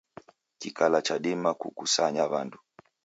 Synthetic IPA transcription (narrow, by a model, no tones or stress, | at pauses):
kikalat͡ʃaɗimakṵkusaɲaβandu